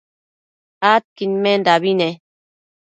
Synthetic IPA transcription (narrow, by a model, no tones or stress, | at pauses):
at̪̚kinmend̪aβine